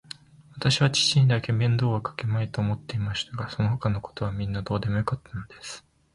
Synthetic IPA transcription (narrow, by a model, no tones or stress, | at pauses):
βat̪aɕiβat͡ɕi̥t͡ɕĩnd̪ake̞mẽ̞nd̪o̞ːɡakḁke̞mait̪o̞ːmo̞t̪ːe̞imaɕi̥t̪aɡaso̞no̞ɦo̞kano̞ko̞̥t̪o̞β̞amʲĩnːad̪o̞ːd̪e̞mo̞jo̞kat̪ːano̞d̪̥e̞sɨ̥